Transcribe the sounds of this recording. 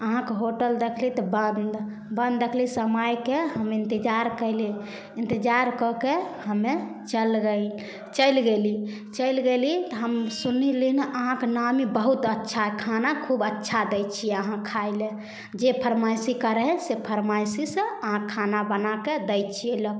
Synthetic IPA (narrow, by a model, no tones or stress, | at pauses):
əɦãkeɦoʈəld̪ekʰlit̪ɔbənd̪ | bə̃nd̪ːekʰlisəmajkeɦəmĩnt̪id͡ʒaɾkəli | int̪id͡ʒaɾkɔkehəme | t͡ʃəlɡə | t͡ʃəjlɡeli | t͡ʃəjlɡelit̪ɔɦəmsunilineʔəɦãkenamibəɦut̪ətːʃʰakʰanakʰubətːʃʰad̪əjt͡ʃʰieəɦãkʰaɪle | d͡ʒepʰəɾmasikəɾɦɛsepʰəɾmasisə̃əɦãkʰːanabənaked̪əjt͡ʃʰiɛlə